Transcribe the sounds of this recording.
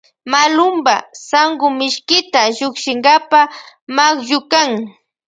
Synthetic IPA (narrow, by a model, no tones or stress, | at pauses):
malʊmbasaŋɡʊmɪʃkɪt̪aʎʊkʃɪŋɢapamakjʊkaŋ